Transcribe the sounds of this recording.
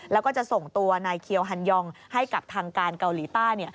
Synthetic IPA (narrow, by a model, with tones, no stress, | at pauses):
lɛː˦˥wkɔː˥˩t͡ɕa˨˩ʔso˨˩ŋt̪u˧ɐnaː˧jkʰi˧əwɦa˧njɔ˧ŋha˥˩jka˨˩p̚t̪ʰaː˧ŋkaː˧nka˧wliː˩˦t̪aː˥˩jni˥˩ɐ